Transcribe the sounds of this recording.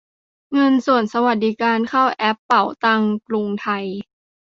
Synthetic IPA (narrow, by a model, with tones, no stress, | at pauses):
ŋɤ˧nsu˨˩ənsa˧wa˨˩t̪̚diː˦˩kaː˧nkʰa˥˩wʔɛ˦˥pːa˨˩wt̪a˧ŋklu˧ŋt̪ʰa˧j